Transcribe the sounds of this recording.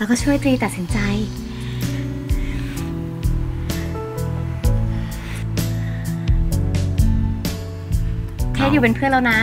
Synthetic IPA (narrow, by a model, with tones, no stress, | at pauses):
laː˧˦˥kɔː˥˩t͡ɕʰu˥˩əjt̪ɾiː˧t̪a˨˩t̪̚si˩˦nt͡ɕa˧j | k̪ʰɛː˧˥˩juː˨˩pe˧npʰɯ˥˩ənla˧wna˦˥